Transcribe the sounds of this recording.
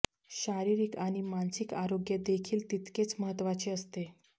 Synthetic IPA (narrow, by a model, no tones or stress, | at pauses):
ɕaɾiɾikaɽ̃imansikaɾoɡjəd̪ekʰiːlt̪it̪ket͡sməɦət̪ːʋat͡ɕeəst̪e